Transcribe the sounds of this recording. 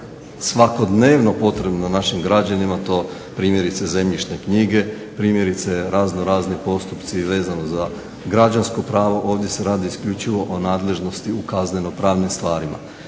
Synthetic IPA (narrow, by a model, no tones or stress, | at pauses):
sʋako̞d̪neːʋno̞po̞t̪ɾe̞bnonaʃimɡɾad͡ʑanimat̪o̞ː | pɾiːmje̞ɾit̪seze̞mʎiʃne̞kɲiɡe̞ | pɾiːmje̞ɾit̪se̞ɾaːznoɾaːznipo̞st̪upt̪siʋe̞ːzanoza | ɡɾad͡ʒansko̞pɾaːʋo̞ʔo̞ːʋd̪ʲje̞se̞ɾaːd̪iːskʎut͡ʃiʋo̞ʔonaːd̪le̞ʒno̞st̪iukaznɲe̞no̞pɾaːʋnimst̪ʋaːɾima̰